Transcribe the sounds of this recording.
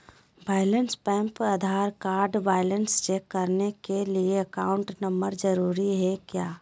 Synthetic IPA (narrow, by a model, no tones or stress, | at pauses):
baːɪlənspɛ̃ːmpəd̪ʱaːɾkaːɾɖbaːɪlənst͡ʃeːkːəɾnekelieɐkaːʊ̃ɳʈnəmbəɾd͡ʒəɾuːɾiɦɛkjaː